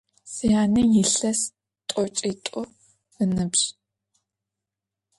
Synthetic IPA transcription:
sɨjaːnijɪɬɐs | tʷʼɔt͡ʃʼitʷʼʊ | ənɨbɕ

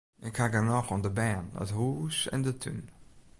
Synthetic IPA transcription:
ɪkhaɡənɔxɔndəbɛnə̰thuːsɛ̰ndətʰy̰n

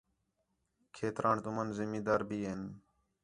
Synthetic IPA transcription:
kʰeːt̪ɾaːɳt̪ʊmənzɪmiːd̪aːɾbiːɦen

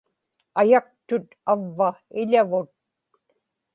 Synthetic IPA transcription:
ajɑq̚t̪ʊt̪avːaɪʎavʊt̪̚

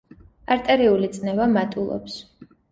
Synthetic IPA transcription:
aɾt̪ʼɛɾiulit̪sʼnɛvamat̪ʼulˠɔ̰ps

